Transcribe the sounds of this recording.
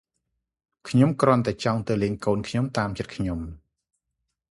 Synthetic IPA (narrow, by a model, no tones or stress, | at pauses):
kʰɲomkrŏənt̪aɛt͡ɕɑŋt̪ɨwleːɲkoːnkʰɲomt̪aːmt͡ɕət̪̚kʰɲom